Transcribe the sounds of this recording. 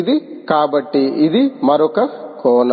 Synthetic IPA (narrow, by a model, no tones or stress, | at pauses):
d̪ikaːbɐʈːiːd̪imɐɾukɐkoːnɐ